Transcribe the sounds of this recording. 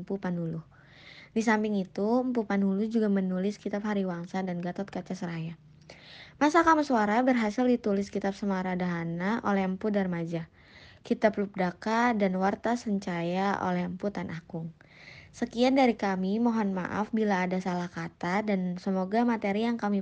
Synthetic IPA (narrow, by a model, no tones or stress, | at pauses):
mpupanulʊh | disampɪŋit̪uəmpupanulʊd͡ʒuɡamənulɪskit̪apɦaɾiwaŋsadanɡat̪ɔt̪̚kat͡ʃasəɾaja | masakamasuaɾabərɦasɪldit̪ulɪskit̪ap̚səmaɾadaɦanaʔolɛhəmpudarmad͡ʒa | kit̪ap̚lup̚dakadanwart̪asəɲt͡ʃajaʔo̰lɛhəmput̪anʔakʊŋ | səkiandaɾikamimɔɦɔnma̰ʔa̰fbilaːdasalahkat̪adansəmoɡamat̪eɾijaŋkami